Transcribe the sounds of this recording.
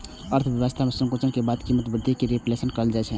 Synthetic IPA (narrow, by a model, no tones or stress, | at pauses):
əɾt̪ʰʋjʋəst̪ʰamesə̃ŋkot͡ʃənkebad̪kimːət̪bɾd̪ʱikiɾeplesənkəəld͡ʒaɛt͡ʃʰɛ